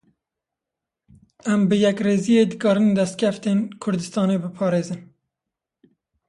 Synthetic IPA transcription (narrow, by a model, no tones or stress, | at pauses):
æmbɨjɛkreːzijeːd̪ɨkɑːɾɨnd̪ɛst̪̚kʲʰɛft̪eːnkʰʊɾd̪ɨst̪ɑːnebɨpʰɑːɾeːzɨn